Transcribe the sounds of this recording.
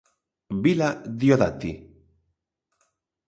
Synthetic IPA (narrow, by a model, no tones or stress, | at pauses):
bilad̪ioðat̪i